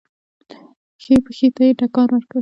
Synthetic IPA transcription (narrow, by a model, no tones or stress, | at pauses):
xepəxet̪ajeʈakɑnwaɾka